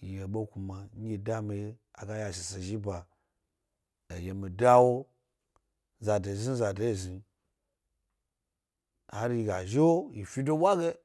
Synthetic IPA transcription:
ji˨je˨ɓo˦ku˨ma˨ɲ˦ɡʲi˨da˦mi˨ja̰˨ɡa˦ja˨ʃi˨se˨ʒi˦ba˨ | e˨je˨mi˨da˦wo˦ | za˨de˨zi˦za˨de˨˦i˨zi˨ | ha˨ɾji˧ɡa˨ʒe˦wji˨fi˦do˦wʷa˦ɡe˦

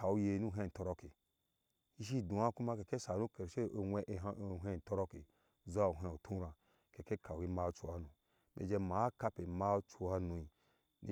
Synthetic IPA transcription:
a˨u˧je˧nu˦ɦe˧˨n˨to˧ɾo˧ke˨ | i˦ʃ̬i˦˨dũ˨a˦ku˦ma˦˧ke˨ke˦sa˨nu˦ke˨ɾʃe˦o˧wʷe˦ʔɦʷẽ˦˨n˨to˧ɾo˧ke˨ | za˦˨o˨ɦe˧o˨tʰũ˦ɾã˨ | ke˨ke˦kʰa˨wu˨je˧ma˦˧t͡ʃu˧wa˧nũ˨ | mḛ˨d͡ʒe˧ma˨˦ka˧pe˨ma˦˧˦t͡ʃu˧wa˧nũ˨i˨ | nḭ˦

